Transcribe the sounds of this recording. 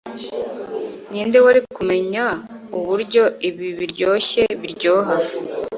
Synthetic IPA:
ɲiːndewaɾikume̞ɲauβuɾɟo̞iβiβiɾɟoːçe̞βiɾɟoːɦa

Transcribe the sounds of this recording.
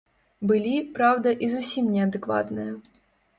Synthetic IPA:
bɨlʲipɾawd̪ɐʔizusʲimnʲɛɐd̪ɨkva̰t̪nɨjɐ

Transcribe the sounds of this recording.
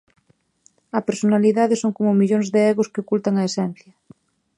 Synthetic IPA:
ɐpeɾsonaliðaðesoŋkomomiʎonzðeeɣoskeokult̪aŋaesɛn̟θjɐ

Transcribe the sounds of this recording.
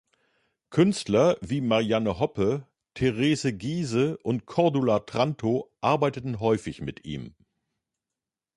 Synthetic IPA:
kʰʏnstlɐviːmaʁianəɦɔpə | tʰeʁeːzəɡiːzəʔʊntkʰɔɐdulatʁ̥antʰoʔaɐbaɪtətn̩ɦɔʏfɪçmɪtʔḭːm

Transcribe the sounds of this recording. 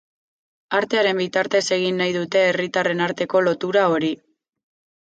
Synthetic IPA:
aɾt̪e̞aɾe̞mbit̪aɾt̪e̞se̞ɣ̞inːajðut̪e̞ːrit̪are̞naɾt̪e̞ko̞lo̞t̪uɾao̞ɾi

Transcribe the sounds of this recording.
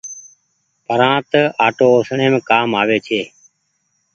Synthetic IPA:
pəɾãːt̪əaːʈoːoːsɳeːmẽːkaːmaːʋeːt͡ʃʰeː

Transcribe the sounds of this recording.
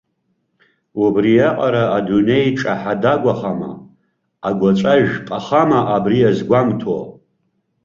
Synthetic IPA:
ubrijaqʼaɾaadune̞jʈ͡ʂʼaħadaɡʷaχama̰ | aɡʷat͡ʃʷʼaʒpʼaχamaʔabrijazɡʷamtʰo̰

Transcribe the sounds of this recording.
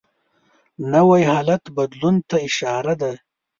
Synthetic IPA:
nawajhɑːlat̪bad̪lunt̪aɪʃɑːɾad̪a

